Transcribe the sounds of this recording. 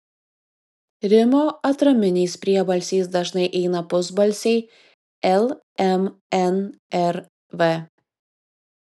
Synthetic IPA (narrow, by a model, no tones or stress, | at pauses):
ɾʲɪmoːɐt̪ɾɐmʲɪnʲɛɪspʲɾʲiɛbɐlʲsʲɛɪsd̪ɐʒnɐɪʔɛɪnɐpʊzbɐlʲsʲɛɪ | ɛlˠ | ɛmɛnɛɾ | ʋɛ